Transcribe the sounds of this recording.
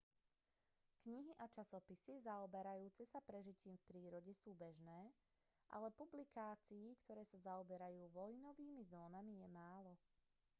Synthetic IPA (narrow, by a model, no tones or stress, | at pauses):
kɲiɦiʔat͡ʃasɔpisizaɔbɛɾajuːt͡sɛsapɾɛʒiciːmfpɾiːɾɔɟɛsuːbɛʒnɛː | ʔa̰lɛpublikaːt͡siikt̪ɔɾɛːsazaɔbɛɾajuːʋɔjnɔʋiːmizɔːnamijɛmaːlɔ